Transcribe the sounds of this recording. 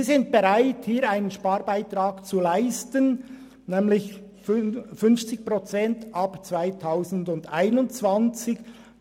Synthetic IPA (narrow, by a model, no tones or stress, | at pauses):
zɪnt̚b̥eʁaɪthiːɾaɪnənʃpaːɾbaɪtɾaːkt͡sulaɪstən | nɛːmlɪçffʏnft͡sɪç̚pʁot͡sɛntʔapt͡sv̥aɪtʰaʊzn̩dʊndaɪnʊnt͡sv̥ant͡sɪk